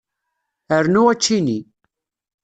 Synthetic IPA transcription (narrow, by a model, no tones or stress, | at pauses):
əɾnuæt͡ʃːini